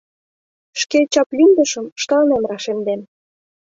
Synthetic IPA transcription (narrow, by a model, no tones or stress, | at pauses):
ʃket͡ɕɑplind̪ə̆ʃə̆mʃt̪ɑnemrɑʃend̪en